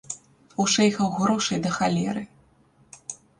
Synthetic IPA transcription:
uʂɛjxɐwɣɾɔʂɐjd̪ɐxalʲɛɾɨ

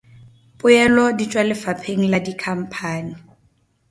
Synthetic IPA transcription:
pʼʊjɛlɔdit͡ʃʼwalɪfapʰeŋ̩ladikʰam̩pʰaːni

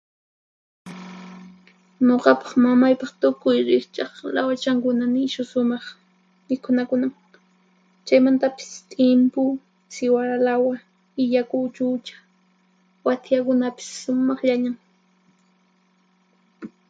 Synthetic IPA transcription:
ɲoqɑpɑ̥χmamajpɑχt̪ʊkʊjɾɪχt͡ʃɑχlawat͡ʃaŋkʊnanɪʃʊsʊmɑχ | mɪkʊnakʊnam | t͡ʃajmant̪apɪ̥st̪ʼɪmpʊ | sɪwaɾalawa | ɪʎakʊt͡ʃʊt͡ʃḁ | wat̪jakʊnapɪ̥sːʊmɑχʎaɲaŋ

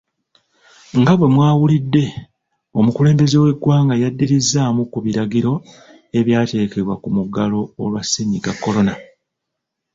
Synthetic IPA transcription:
ŋɡaβwe̞mwaːwulidːe̞ | o̞mukule̞ːmbe̞ze̞we̞ɡwaːŋɡajadːiɾizːaːmukuβiɾaɡiɾo̞ | e̞βjaːte̞ːkeβwakumuɡalo̞ːlwasiɲiɡakːo̞lo̞na

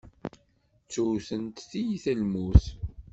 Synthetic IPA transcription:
t͡sːuθənt̪θijiθælmuθ

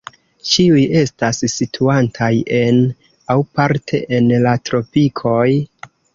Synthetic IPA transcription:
t͡ʃiuje̞stassitʰuantʰaje̞n | awpaɾtʰe̞̰ʔenlatɾo̞pikʰo̞j

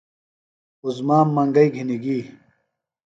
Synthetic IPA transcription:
uzmaːmːɐŋɡɐiɡʱiniɡiː

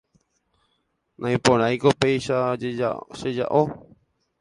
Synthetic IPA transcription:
nʔãj̃põɾ̃ãjkopejʃaea̰ʃed͡ʒa̰ʔo

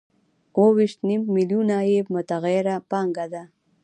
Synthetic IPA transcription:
wowiʃt̪nimmiljunajebmʊt̪aɣaɾapɑŋɡad̪a

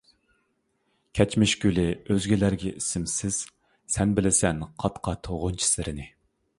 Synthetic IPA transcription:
kʲʰɛt͡ʃmɪʃɡʲylɪøzɡʲilæɾɡʲɛʔisɪmsɪz̥ | sɛnbɪlɪsɛnqʰɑt̪qʰɑt̪ʰoʁʊnt͡ʃʰi̥sɪɾɪnɪ

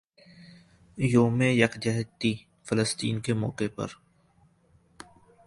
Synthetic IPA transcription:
joːmejɐkd͡ʒɛɦt̪ːi | fələst̪ḭːnkemɔ̰ːkepɐ̰ɾ

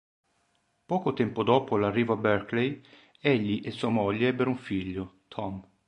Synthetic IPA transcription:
pɔːkot̪ɛmpod̪ɔːpolarːiːvoabɛrklej | eʎːiʔesːuːamɔʎːeɛbːeɾuɱfiʎːot̪ʰɔm

